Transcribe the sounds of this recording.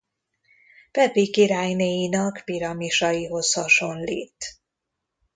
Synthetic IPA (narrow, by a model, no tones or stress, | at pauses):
pɛpikiɾaːjneːjinɒkpiɾɒmiʃɒjiɦo̞shɒʃo̞nliːt̪